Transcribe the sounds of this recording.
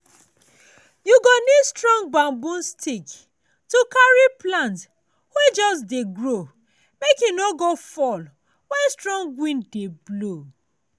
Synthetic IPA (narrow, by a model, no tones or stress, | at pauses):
juɡonistɹɔ̃ŋɡɡ͡bãmbũnstʰik | tukaɹiplãnt | wɛd͡ʒɔsdeɡɹo | mekĩnoɡofɔl | wɛ̃nstɹɔ̃ŋɡwĩndeblo